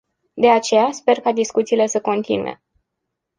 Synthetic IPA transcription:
d̪e̞at͡ʃe̞jaspe̞rkad̪iskut̪siːle̞səko̞nt̪ḭnṵḛ

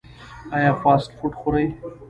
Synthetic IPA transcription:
ajaːfaːsʈfuʈxʊɾaj

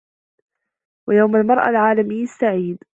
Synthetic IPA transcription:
wajawmalmɑɾˤʔa̰lʕaːlamɪjːɪst̪aʕiːd̪

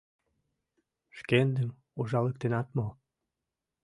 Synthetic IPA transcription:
ʃkend̪əm | uʒɑlək̚t̪enɑt̪mo

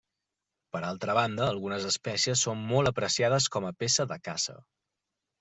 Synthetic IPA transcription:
pəɾalˠt̪ɾəβ̞and̪əːlˠɣunəzəspɛsiəsːommolˠəpɾəsiaðəskɔməpesəðəkasə̰

